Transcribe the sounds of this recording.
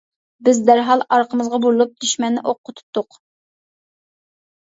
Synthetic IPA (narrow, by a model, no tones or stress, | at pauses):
bɪzd̪æɾɦɑlˠɑɾqʰəmɨzʁɑbollˠup̚d̪̥yʃmɛnːɪʔoqʰːʊt̪ʰu̥p̚t̪ʊq